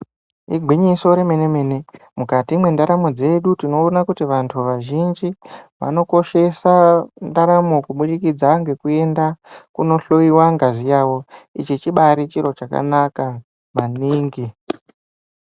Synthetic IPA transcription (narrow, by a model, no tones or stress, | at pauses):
iɡʱwiɲiso̞ɾe̞me̞ne̞me̞ːne̞ | mukatimwe̞ndaɾamo̞d͡ze̞ɗutino̞ːnakutiʋantʰuʋaʒind͡ʒiʋa̰no̞ko̞ʃe̞sandaɾamo̞kuɓuɗikid͡zaŋɡe̞kue̞ndakuno̞ɬo̞iwaŋɡazijaːwo̞it͡ʃet͡ʃiɓaɾit͡ʃiɾo̞t͡ʃaka̰naka | maniːŋɡi